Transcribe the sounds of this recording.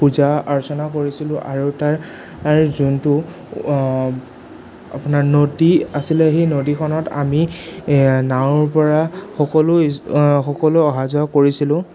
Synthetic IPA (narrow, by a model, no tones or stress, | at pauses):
puzaaɹɔsɔnakoɹisilʊ̃ʔaɹutaɹ | aɹzuntʊ | a̰pʊnaɹnodiasilɛxejnodikʰɔnɔta̰mi | nawɹpɔɹaxɔkɔlʊxɔkɔlʊɔɦazɔakoɹisilʊ̃